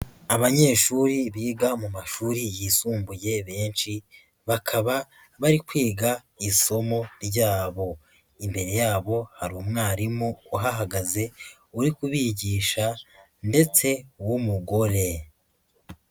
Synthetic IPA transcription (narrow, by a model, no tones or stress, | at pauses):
aβaɲe̞ːʃuɾiβiːɡamumaʃuɾijisuːmbuje̞βe̞ːnt͡ʃi | βakʰaβa | βaɾikwiːɡa | iso̞mo̞ɾɟaːβo̞ | imbe̞ɾe̞jaːβo̞haɾuːmŋaːɾimuuɦaɦaɡaze̞ | uɾikuβiɟiːʃa | nde̞t͡se̞wumuɡo̞ɾe̞